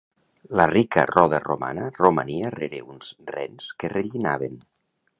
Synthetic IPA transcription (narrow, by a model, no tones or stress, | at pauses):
lərikə̰rɔðəroma̰nəroma̰niəreɾeunzrɛ̰nskereʎinaβ̞en